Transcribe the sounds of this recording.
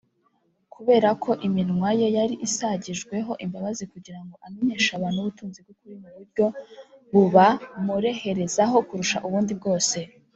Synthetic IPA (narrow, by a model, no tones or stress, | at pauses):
kʰuβe̞ːɾakʰo̞ʔiminŋwaje̞jaɾiʔisaɟiʒɡwe̞ɦo̞ʔimbaβazikuɟiɾaŋɡo̞ʔame̞ɲe̞ːʃaβaːn̥huβutuːnzib̚ɡokuɾimuβuɾɟo̞βuβamuɾe̞he̞ɾe̞zaɦo̞kuɾuʃaʔuβuːndib̚ɡo̞ːse̞